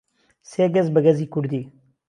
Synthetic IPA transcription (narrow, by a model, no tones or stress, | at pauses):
seːɡɐzbɐɡɐziːkuɾd̪iː